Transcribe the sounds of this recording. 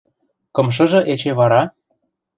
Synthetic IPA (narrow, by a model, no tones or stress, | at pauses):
kɤ̆mʃ̬ɤ̆ʒɤ̆ʔet͡ɕeβɑɾɑ